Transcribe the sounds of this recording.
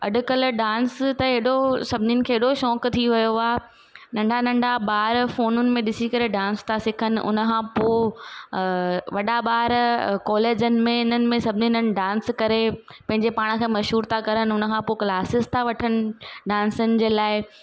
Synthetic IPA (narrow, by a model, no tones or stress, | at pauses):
ɐ̰ɗʊkɐlɖãːnst̪ɐeɗosɐbʱɪninɪ̆kʰeːɦɪɗoʃɔːkt̪ʰiʋɐjoaː | nɐ̃ɳɖʱanɐ̃ɳɖʱaɓaːɾfoːnʊnɪ̆mẽɗɪsikɐɾeɖãːnst̪ʰasɪkʰənɪ̆ʔʊ̰nə̆kʰãpoː | ʋɐɗaɓaːɾkɔːleːd͡ʑənɪ̆mẽɪnənɪ̆mẽsɐbʱɪninənɪ̆ɖãːnskɐɾe | pɐ̃ɦɪ̃ɲd͡ʑepaːɽ̃ə̆kʰeːmɐʃɦuːɾt̪ʰakɐɾənɪ̆ʊnə̆kʰãpoklaːsɪst̪ʰaʋɐʈʰənɪ̆ɖãːnsʊnɪ̆d͡ʑeːlaːɪ